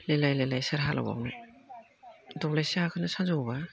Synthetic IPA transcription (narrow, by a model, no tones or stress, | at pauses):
lelajlajlajsaɾɦalʔa̰wa̰wnɯ | dɔɡlajsiakʰɯnasazawba